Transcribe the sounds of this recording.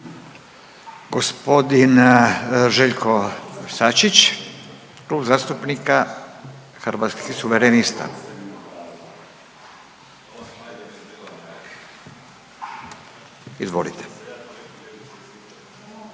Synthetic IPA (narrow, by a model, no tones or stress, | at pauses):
ɡospo̞d̪in | ʒeʎkʰosat͡ʃit͡ʃ | kɾuːbzaːst̪upnika | xɾʋat̪skixsuʋeɾenist̪a̰ | izʋo̰lit̪ʰe̥